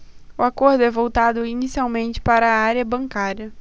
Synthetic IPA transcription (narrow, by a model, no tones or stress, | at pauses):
ʊakoɾd̪ʊɛvowt̪ad̪ʊinisiawmẽnt͡ʃɪ̥paɾɐaɾiɐbɐ̃ŋkaɾiɐ